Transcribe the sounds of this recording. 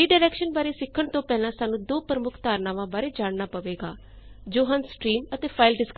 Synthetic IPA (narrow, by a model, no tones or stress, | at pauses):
iːɖaːɾɛːkʃənbaːɾeːsɪkʰːəɳt̪õːpɛːlãːsaːnũːd̪oːpɾəmʊkʰt̪aːɾnaːʋãːbaːɾeːd͡ʒaːɽnaːpəʋeːɡa̰ː | d͡ʒoːɦãnsʈɾiːmət̪eːpʰaːɪlɖɪsk